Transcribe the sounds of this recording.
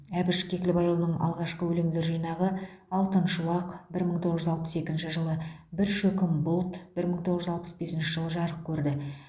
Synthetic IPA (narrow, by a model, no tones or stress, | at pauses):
æbɪʃkʲʰe̞kʲɪlɪbɑjlˠənəɴʔɑ̰lˠʁɑʃqəwɵlemd̪e̞ɾʒijnɑʁəɑlˠt̪ənʃʊlˠɑqbɪɾməɴt̪ʰo̞ʁəʒʏzɑlˠpə̥se̞kʲɪnʃɪʒəlˠəbɪɾʃɵkʲɪmbʊlˠt̪b̥ɪɾməɴt̪ʰoʁəʒʏzɑlˠpə̥sbe̞sɪnʃɪʒəlˠəʒɑɾəp̚kʲʰɵɾd̪ɪ